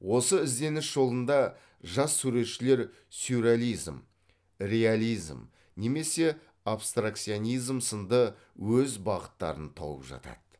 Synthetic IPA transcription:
wo̞səɪzd̪e̞nɪsʒo̞lˠənd̪ɑ | ʒɑsːʉɾe̞t̪ʃɪle̞ɾ | suɾalʲijzm | rʲe̞alʲijzm | ne̞me̞se̞ | apst̪rakt̪sijonijzmsənd̪ə | wɵzbɑʁət̪ːɑ̰ɾənt̪ʰo̰ə̰pʒɑ̰t̪ɑ̰d̪̥

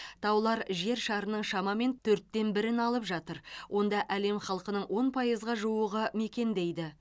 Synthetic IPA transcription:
t̪ʰɑwlˠɑɾʒe̞ɾʃɑɾənəɴʃɑmɑme̞nt̪ʰɵɾt̪ːe̞nbɪɾɪnɑlˠəpʒɑt̪əɾwʔo̞nd̪ɑʔæle̞mχɑlˠqənəɴwʔo̞npʰɑjəzʁɑʒuwəʁəme̞kʲe̞nd̪e̞jd̪ɪ

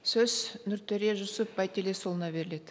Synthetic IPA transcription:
sɵznʊɾt̪ʰeɾe̞ʒʊsəp̚bɑjt̪ʰele̞solˠənɑbe̞ɾɪle̞d̪ɪ

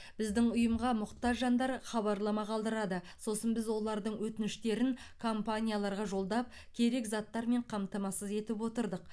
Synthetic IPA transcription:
b̥ɪzd̪ɪŋʊjəmʁɑmʊqt̪ɑʒɑnd̪ɑɾχɑβɑɾlˠɑmɑqʰɑlˠd̪əɾɑd̪əso̞sənbɪzwo̞lˠɑɾd̪əɴwɵt̪ɪnɪʃt̪e̞ɾɪŋkʰompanʲijalˠɑɾʁɑʒo̞lˠd̪ɑp̚ | kʲʰe̞ɾe̞kzɑt̪ːɑɾme̞ɴqʰɑmt̪ɑmɑsəze̞t̪ɪpwo̞t̪əɾd̪əq̚

